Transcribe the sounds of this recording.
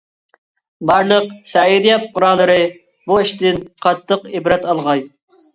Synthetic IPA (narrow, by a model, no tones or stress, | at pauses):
bɑɾnəqsɛiɾijɑp̚qʰʊɾɑlˠːɨɾɨ | buiʃt̪ɪnqʰɑt̪ʰːəqɪbɾɛt̪ɑlˠʁɑj